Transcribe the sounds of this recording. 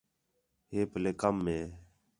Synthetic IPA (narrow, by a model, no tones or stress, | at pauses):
heːpəleːkəmːẽː